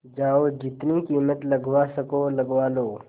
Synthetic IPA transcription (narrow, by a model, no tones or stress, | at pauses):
d͡ʒaːod͡ʒɪt̪nikiːmət̪lɐɡwasɐkolɐɡʋaːloː